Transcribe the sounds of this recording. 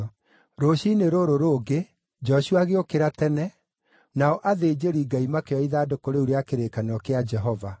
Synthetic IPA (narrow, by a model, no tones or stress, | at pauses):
ɾoɕineɾoɾoɾoːɡe | d͡ʒɔɕuaɣeokeɾatɛnɛ | naɔʔaðeːd͡ʑeɾiɡaimakeɔiðaːdokoɾeuɾeakeɾekanɔkead͡ʒɛɦɔva